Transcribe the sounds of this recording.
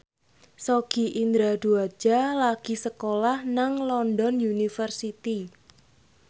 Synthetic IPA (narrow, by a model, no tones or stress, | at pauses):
soɡ̥i̤ʔind̪ɾad̪̥uḁd͡ʒ̥a̤laɡ̥i̤səkolahnaŋlɔnd̪ɔnjunifərsit̪i